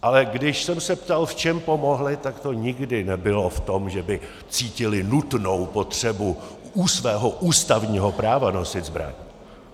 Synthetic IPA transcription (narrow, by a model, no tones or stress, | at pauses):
ʔalɛɡdɪʃsɛmsɛpt̪alft͡ʃɛmpo̞mo̞ɦlɪt̪akt̪o̞ɲɪɡdɪnɛbɪloft̪o̞mʒɛbɪ | t͡siːcɪlɪnut̪nowpo̞t̪r̝̥ɛbuuːsvɛːɦo̞ʔuːst̪avɲiːɦo̞pɾaːvano̞sɪt̪zbɾa̰ɲi